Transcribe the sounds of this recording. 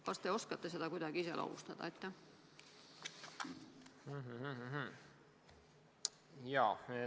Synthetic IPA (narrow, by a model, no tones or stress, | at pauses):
kɑst̪e̞o̞skɑt̪ːˑese̞d̪̥ɑkujd̪̥ɑɡ̥iisḛlʔo̰hṵst̪ɑd̪̥ɑ̰et̪ːæ | h̩ɦ̩ɦ̩ɦ̩ɦ̩ | jɑːe